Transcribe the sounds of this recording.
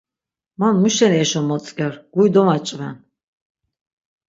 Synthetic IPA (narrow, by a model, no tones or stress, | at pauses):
manmuʃɛnɛʃɔmɔt͡s̪ʼkʼɛɾɡ̥ujd̪ɔmat͡ʃʼvɛn